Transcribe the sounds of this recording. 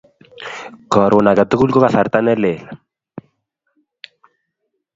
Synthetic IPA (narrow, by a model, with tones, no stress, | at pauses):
kɔ˨ɾwʊ˨na˨ka˨t̪ʊ˦ku˦lkɔ˦ka˨θa˨ɾt̪a˦nɛ˦lɛ˨l